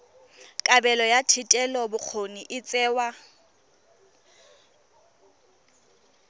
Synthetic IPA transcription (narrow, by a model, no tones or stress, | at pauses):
kʼabɛlɔjatʰɪtʼɛlɔbʊk͡xʰoniʔɪt͡sʼɛːwa